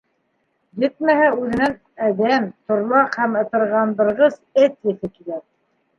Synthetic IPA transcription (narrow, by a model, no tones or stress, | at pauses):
jɘt̪̚mæhæʉðɘ̆næn | æd̪æmt̪ŏɾlˠɑqhæmɤ̆t̪ɤ̆ɾʁɑnd̪ɤ̆ɾʁɤzɘt̪jɘ̆θɘkilæk̚